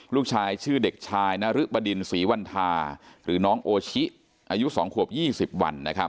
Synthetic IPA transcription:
luː˥˩k̚t͡ɕʰaː˧jt͡ɕʰɯː˥˩de˨˩k̚t͡ɕʰaː˧jna˦˥ɾɯ˦˥ba˧di˧nsiː˩˦wa˧nt̪ʰaː˧ɾɯː˩˦nɔː˦˥ŋʔoː˧t͡ɕʰi˦˥ʔ | ʔaː˧ju˦˥ʔsɔ̰ː˩˦ŋkʰu˨˩əp̚jiː˥˩si˨˩p̚wa̰˧nːa˦˥kʰɾa˦˥p̚

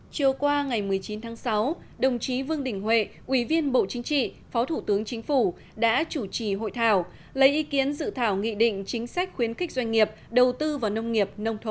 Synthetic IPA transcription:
t͡ɕɨ˨˩əwkwaː˧ŋa˨˩jmɨ˨˩əjt͡ɕi˨˦nt̪ʰaː˨˦ŋsa˨˦w | ɗə˨˩wŋ͡mt͡ɕi˨˦vɨ˧əŋɗï˨˩ŋ̟hwḛ˧˨ʔwi˧˩vi˧ənɓo̰˧˨t͡ɕï˨˦ŋ̟t͡ɕḭ˧˨ | fɔ˨˦t̪ʰu˧˩t̪ɨ˨˦əŋt͡ɕï˨˦ŋ̟fu˧˩ | ɗa̰ː˧˥t͡ɕu˧˩t͡ɕi˧˩ɦo̰˧˨jt̪ʰaː˧˩w | lə˨˦jʔi˨˦ki˨˦ənzɨ̰˧˨t̪ʰaː˧˩wŋḭ˧˨ɗḭ̈˧˨ŋ̟t͡ɕï˨˦ŋ̟sa˦˥jk̟̚xwi˨˦ənxɪ˦˥k̟̚zwa˧ŋ̟ŋi˨˩əp̚ɗə˨˩wt̪ɨ˧vaː˨˩wnə˧wŋ͡mŋi˨˩əp̚nə˧wŋ͡mt̪ʰə˧˩

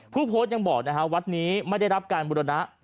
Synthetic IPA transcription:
pʰuː˥˩pʰoː˦˥t̪̚ja˧ŋbɔː˨˩k̚na˦˥kʰa˦˥wa˦˥t̪̚niː˦˥ma˥˩jda˥˩jɾa˦˥p̚kaː˧nbu˧ɾa˧na˦˥ʔ

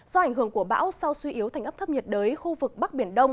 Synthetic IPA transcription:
zɔ˧ʔa˧˩ŋ̟hɨ˧˩əŋku˧˩əɓa̰ː˧˥wsa˧wswi˧ʔi˨˦əwt̪ʰa˨˩ŋ̟ʔpt̪ʰə˦˥p̚ɲə˨˩t̚ɗəː˨˦jxu˧vɨ˨˩k̚ɓa˦˥k̚ɓi˧˩ənɗə˧wŋ͡m

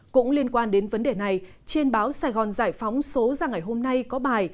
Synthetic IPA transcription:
kʊ̰˧˥ŋ͡mli˧ənkwaː˧nɗe˨˦nvə˨˦nɗe˨˩na˨˩j | t͡ɕi˧ənɓaː˨˦wsaː˧jɣɔ˨˩nzaː˧˩jfɔ˨˦wŋ͡mso˨˦zaː˧˩ŋa˨˩jɦo˧mna˧jkɔ˨˦ɓaː˨˩j

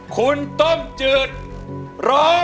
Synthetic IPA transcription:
kʰu˧nt̪o˥˩mt͡ɕɯː˧˩t̪̚ɾɔː˦˥

